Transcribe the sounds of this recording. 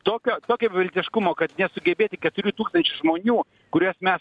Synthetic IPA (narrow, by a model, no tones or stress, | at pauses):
t̪oːkʲoːt̪oːkʲoːbʲʋʲɪlʲt̪ʲɪʃkʊmoːkɐt̪nʲɛsʊɡʲɛbʲeːt̪ʲɪkʲɛt̪ʊɾʲuːt̪uːkst̪ɐnʲt͡ʃʲʊʒmoːnʲuː | kʊɾʲuɔsmʲɛs